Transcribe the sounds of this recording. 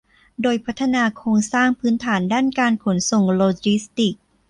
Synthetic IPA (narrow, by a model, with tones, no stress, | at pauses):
doː˧jpʰa˦˥t̪ʰːa˧naː˧kʰoː˧ŋsaː˥˩ŋpʰɯː˦˥nt̪ʰaː˩˦ndaː˥˩nkaː˧nkʰo˩˦nso˨˩ŋloː˧t͡ɕi˦˥st̪i˨˩k̚